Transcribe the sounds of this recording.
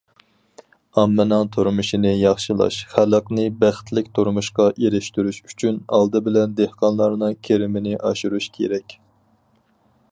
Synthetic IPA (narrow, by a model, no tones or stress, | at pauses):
ɑmːɨnɨŋt̪ʰuɾmuʃinɪjɑχʃilˠɑ̰ʃχælˠəqnɨbæχt̪lɪk̚ʲt̪ʰoɾmuʃqɑʔeɾɪʃt̪yɾyʃyt͡ʃʰynɑlˠd̪ɨbɪlɛnd̪ehqɑnlˠɑɾnɨŋkʲʰeɾɪmɪnɪʔɑʃuɾuʃkʲʰḛɾɛkʲ